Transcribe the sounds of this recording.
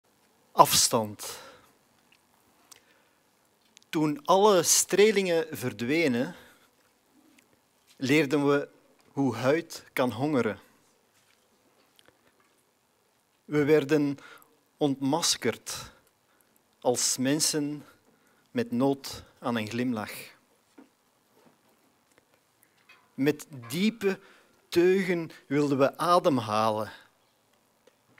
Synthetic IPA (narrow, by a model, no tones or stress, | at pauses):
ɑfstɑnt | tunɑləstreːlɪŋəvərdʋeːnə | lɪːrdənʋə | ɦuɦœɥtkɑnɦɔŋəɾə | ʋəʋɛrdən | ɔntmɑskərt | ɑlˠsmɛnsən | mɛtnoːtaːnənɣlɪmlɑx | mɛtdiːpə | tøːɣənʋɪlˠdənʋəʔaːdəmɦaːlə